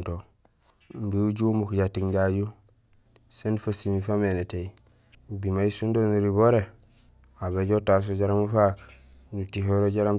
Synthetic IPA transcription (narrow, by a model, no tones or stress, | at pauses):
to | mbiuɟumukɟatiŋɟaɟu | senfasimifamenetei | bimaisundonuɾiβoɾe | aβeɟotas̬oɟaɾamufaknutiɦoɾoɟaɾam